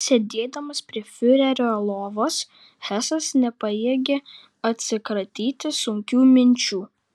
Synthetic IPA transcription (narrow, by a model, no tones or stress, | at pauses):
sʲed̪ʲeːd̪ɐmɐspʲɾʲiɛfʲʊɾʲɛɾʲoːlˠoːʋoːs | hæsɐsnʲɛpɐjeːɡʲe | ɐt̪ʲsʲɪkɾɐt̪ʲiːt̪ʲɪsʊŋʲkʲuːmʲɪnʲt͡ʃʲuː